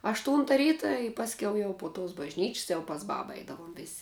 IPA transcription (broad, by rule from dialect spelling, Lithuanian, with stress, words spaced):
ɐʃˈtuːntɐ ˈrʲiːtɐ ɪ pɐsʲˈkʲɛʊ jɛʊ poː toːs bɐʒʲˈnʲiːt͡ʃʲsʲ jɛʊ pɐs ˈbɑːbɐ ˈɐɪdɐʋoːm ʋʲeːsʲ